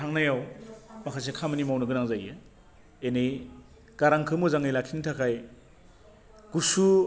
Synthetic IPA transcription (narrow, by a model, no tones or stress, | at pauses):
tʰaŋnajawmakʰas̬ekʰamɯnimawnɯɡɯnaŋzaje | enej | kaɾaŋkʰɯmuzaŋɯjlakʰintʰakʰaj | kusu